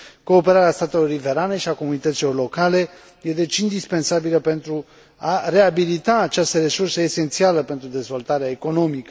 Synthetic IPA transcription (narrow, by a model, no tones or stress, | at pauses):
ko̞ːpe̞ɾaɾeast̪at̪e̞lo̞ɾive̞ɾane̞ʃiako̞munit̪ət̪silo̞rlo̞kale̞ | jed̪et͡ʃind̪ispe̞nsabiləpe̞nt̪ɾu | are̞abilit̪aːt͡ʃast̪əɾe̞sursəese̞nt̪sialəpe̞nt̪ɾud̪e̞zvo̞lt̪aɾeaeko̞no̞mikə